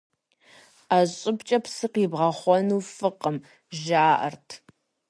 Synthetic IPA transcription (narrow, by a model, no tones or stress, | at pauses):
aɕʼɪpt͡ʃʼɐpsɨqiːbʁɐχʷɔnuːfɨqəm | ʒaːʔɐ̰rtʰ